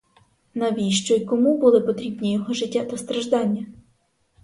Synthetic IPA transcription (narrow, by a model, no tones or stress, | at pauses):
nɐʋʲijʃt͡ʃɔjkɔmubʊlˠɪpɔt̪ɾʲibnʲijɔɦɔʒɪtʲːat̪ɐst̪ɾɐʒd̪ɑnʲːɐ